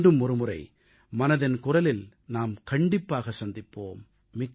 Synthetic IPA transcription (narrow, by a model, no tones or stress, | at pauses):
ɖɯmɔɾɯmʊrɐɪ | mɐnɐðɪnkʊrɐlɪl | naːmkɐɳɖɪpːaːɣɐsɐnd̪ɪpːoːmː | ɪkː